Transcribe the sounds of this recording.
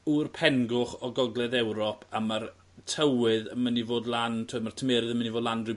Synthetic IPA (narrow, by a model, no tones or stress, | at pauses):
urpʰɛnɡʊχɔɡɔɡlˠɛðɛwɾɔpʰamar | tʰəwɨðəmənivoːdlˠantʰoːdmartʰəmɛːɾɨðəmənivoːdlˠandrɨ